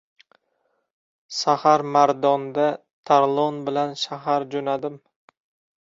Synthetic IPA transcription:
sahaɾmaɾd̪ɒnd̪a | t̪ʰaɾlˠɒnbɪlanʃaɦaɾd͡ʒonad̪ɪm

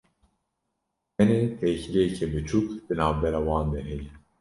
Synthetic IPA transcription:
mɛneːt̪ʰɛkɾɛjɛcʰɛbɨt͡ʃʰukd̪̥ɨnaːvbɛɾaːwɑːnd̪ɛɦɛji

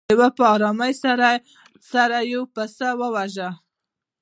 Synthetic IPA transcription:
wapəɑɾɑməjsaɾa | saɾajowpəsawəwaʒa

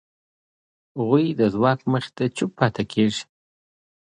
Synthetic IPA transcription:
ɣujd̪əzwɑkməχt̪at͡ʃʊpʰːɑt̪akʰeʐ

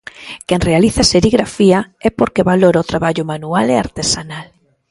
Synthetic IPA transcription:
kɛŋrealiθaseɾiɣɾafiaɛpoɾkeβaloɾaot̪ɾaβaʎʊmanualea̰ɾt̪esanal

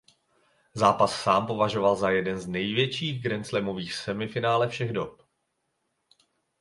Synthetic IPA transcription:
zaːpasːaːmpo̞vaʒo̞valzajɛdɛnznɛjvjɛt͡ʃiːɣɡɾɛnt͡slɛmo̞viːxsɛmɪfɪnaːlɛfʃɛɣdop

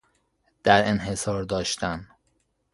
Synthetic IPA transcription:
d̪̥æɾenɦe̞sɒːɾd̪ɒːʃt̪ʰæn

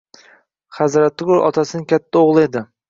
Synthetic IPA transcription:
χazɾat̪ːɪɡʊɾɒ̰t̪ʰasɪnɪkʲʰat̪ʰːaoʁlˠe̞d̪ɪ

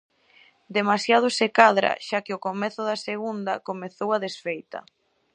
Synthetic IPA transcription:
d̪emasjað̞ʊsekaðɾɐ̰ʃakɪʊkomɛθʊðɐseɣund̪ɐ̰komeθowaðesfejt̪ɐ̰

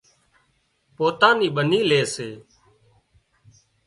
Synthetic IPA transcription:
poːt̪ãːniːɓəniːleːseː

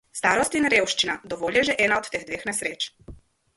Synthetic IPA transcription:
st̪aːɾɔst̪inɾewʃt͡ʃinad̪ɔʋoːljɛʒɛʔɛːnaɔt̪t̪eːɣd̪ʋeːxnɛsɾeːt͡ʃ

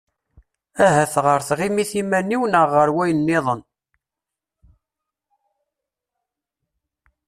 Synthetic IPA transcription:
æɦæθʁəɾθʁimiθimæniwnəʁːəɾwæjənːɪðˤən

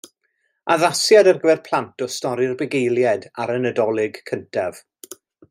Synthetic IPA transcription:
aðasjadərɡəvɛrpʰl̥ˠantʰɔstɔɾɪrbɛɡejlˠjɛdaɾənədɔlˠɪɡkʰəntʰɛv̥

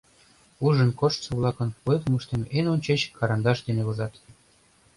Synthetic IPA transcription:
uʒə̆nkoʃt̪t͡sɤ̆βlˠɑkɤ̆npokmɤʃt̪emenonʲt͡ɕet͡ɕkɑɾɑnd̪ɑʃd̪eneβozɑt̪

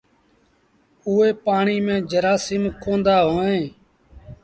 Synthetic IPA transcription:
ʊːeːpaːɳiːmẽːd͡ʒəɾaːsɪmkõːnd̪aːɦoːnẽː

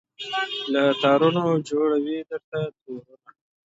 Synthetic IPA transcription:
lat̪ɑɾunod͡ʒoɽawid̪əɾt̪at̪oɾuna

